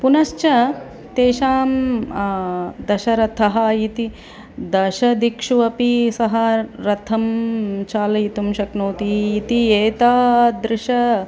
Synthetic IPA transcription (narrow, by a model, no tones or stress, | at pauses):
punɐʃt͡ʃɐ | t̪eːʃaːm | d̪ɐʃɐɾɐt̪ʰːɐɦɐjit̪i | d̪ɐʃɐd̪ikʂuʋɐpisɐɦɐɾɐt̪ʰːɐmt͡ʃaːlɐjit̪umʃɐknoːt̪iit̪ieːt̪aːd̪ɾɪʃɐ